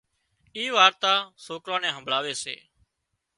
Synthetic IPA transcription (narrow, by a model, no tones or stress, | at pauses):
iːʋaːɾt̪aːsoːkɾãːnɛ̃ːɦəmbʱɭaːʋeːsḛː